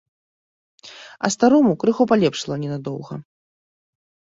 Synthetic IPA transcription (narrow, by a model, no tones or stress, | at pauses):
ɐ̰st̪aɾɔmukɾɨxɔpalʲɛpʂlˠɐnʲɛnad̪ɔwɣɐ̰